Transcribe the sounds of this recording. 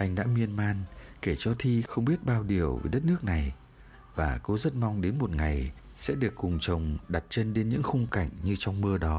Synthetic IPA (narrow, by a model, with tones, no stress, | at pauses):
ʔa˧jŋ̟ɗa̰ː˧˥mi˧ənmaː˧nke˧˩t͡ɕɔ˧t̪ʰi˧xə˧wŋ͡mɓi˦˥ət̚ɓaː˧wɗi˨˩əwvḭ˨˩jɗə˦˥t̚nɨ˦˥ək̚na˨˩j | vaː˨˩ko˨˦zə˦˥t̚ma˧wŋ͡mɗe˨˦nmo˨˩t̚ŋa˨˩j | sɛ̰˧˥ɗɨ˨˩əkːʊ˨˩ŋ͡mt͡ɕə˨˩wŋ͡mɗa˨˩t̚t͡ɕe˧nɗe˨˦nɲɨ̰˧˥ŋxʊ˧ŋ͡mka˧˩jŋ̟ɲɨ˧t͡ɕɔ˧wŋ͡mmɨ˧əɗɔ˨˦